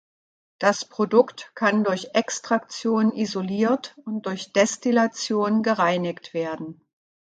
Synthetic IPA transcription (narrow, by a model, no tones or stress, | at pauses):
d̥aspʁ̥odʊktkʰandʊɐçʔɛkstʁ̥akt͡sjoːnənizoliːɐtʊnt̚d̥ʊɐçd̥ɛstilat͡sjoːnənɡəʁaɪnɪktv̥eːɐdn̩